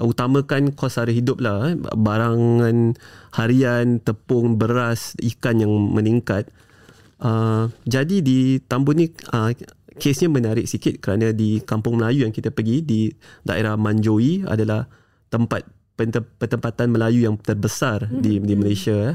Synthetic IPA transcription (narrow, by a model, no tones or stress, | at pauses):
ut̪amãkankɔsaɾiɦidʊp̚lahbaɾaŋãnhaɾiant̪əpʊŋbəɾasikanjaŋməniŋkat̪̚ | ʔəd͡ʒadidit̪ambʊtnĩəkʰesɲamənaɾɪk̚sikɪt̪̚kəɾanãdikampʊŋməlajujaŋkit̪apəɡidida̰ʔḛɾahmãɲd͡ʒoia̰dalah | t̪əmpat̪̚ | pənt̪əpət̪əmpat̪anməlajujaŋt̪ərbəsardidiməlasia